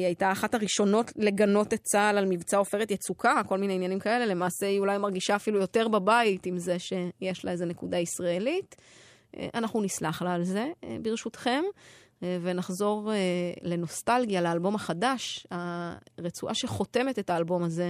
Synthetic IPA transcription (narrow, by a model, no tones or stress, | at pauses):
iajtaːχathaʁiʃo̞no̞tle̞ɡano̞tet͡salalmivt͡sao̞fe̞ʁetjet͡sukako̞lmineinjanimkae̞le̞le̞maːse̞iulajmaʁɡiʃaːfilujo̞te̞ʁbabaitimze̞ʃejeʃlaeze̞ne̞kudaisʁae̞lit | ʔanaχnunislaχlaːlze̞biʁʃutχe̞m | ve̞naχzo̞ʁle̞no̞stalɡijaleːlbo̞maχadaʃaʁet͡suʔaʃe̞χo̞te̞mete̞taːlbo̞maze̞